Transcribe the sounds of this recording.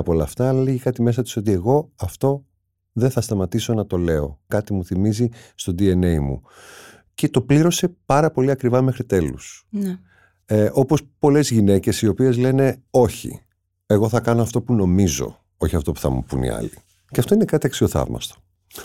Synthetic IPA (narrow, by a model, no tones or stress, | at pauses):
ɐpolɐft̪ɐlɐleʝikɐt̪ime̞sɐt̪i̥so̞t̪ie̞ɣo̞ɐft̪o̞ | ðeθɐst̪ɐmɐt̪iso̞nɐt̪o̞le̞o̞̰kɐt̪imuθimizist̪od̪ie̞ne̞imṵ | ce̞t̪o̞pliɾo̞se̞pɐɾɐpo̞liɐkɾivɐme̞xɾit̪e̞lus | ʔo̞pospo̞le̞zʝine̞ce̞sio̞pie̞zle̞ne̞o̞çḭ | e̞ɣo̞θɐkɐnoɐft̪o̞puno̞mizo̞̰ | o̞çiɐft̪o̞pu̥θɐ̰mṵpṵnḭɐ̰li | ceɐft̪oinekɐt̪iɐksio̞θɐ̰vmɐ̰st̪o̥